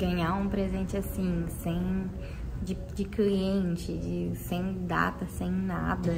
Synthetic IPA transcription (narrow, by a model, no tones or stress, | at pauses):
ɡɐ̃ɲaũpɾezẽnt͡ʃɪasĩsẽj̃ | d͡ʒɪ | d͡ʒɪkliẽnt͡ʃɪd͡ʒɪsẽj̃d̪a̰t̪ɐsẽj̃na̰d̪ɐ